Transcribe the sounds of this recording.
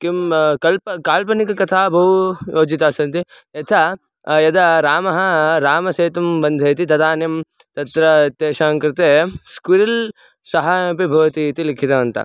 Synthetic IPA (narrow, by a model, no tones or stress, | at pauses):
kimkɐlpɐkaːlpɐnikɐkɐt̪ʰaːbʱɐɦujoːd͡ʒit̪aːsɐnt̪i | ɐt̪ʰa | jɐd̪ɐɾaːmɐɦɐɾaːmɐseːt̪ɐmbɐnd̪ʱɐt̪it̪ɐd̪aːnjɐm | t̪ɐt̪ɾɐt̪eːʃaːŋkɾɪt̪eːskuɾɐl | sɐɦaːɐpibʱɐʋɐt̪it̪ilikʰit̪ɐʋɐnt̪ɐ̰